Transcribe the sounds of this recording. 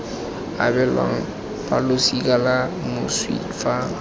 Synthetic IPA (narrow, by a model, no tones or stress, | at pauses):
a̰bɛlã̰ŋ | palosikalamuswḭdfa